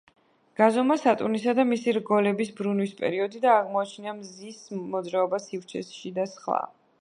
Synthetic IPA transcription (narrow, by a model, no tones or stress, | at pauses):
ɡ̥azɔmasat̪ʼunisad̪amisiɾɡɔlɛbisbɾunwispʼɛ̰ɾiɔd̪id̪aːʁmɔat͡ʃʰniamzismɔd̪zɾaɔbasift͡ʃʰɛ̰sʃid̪asχlˠa̰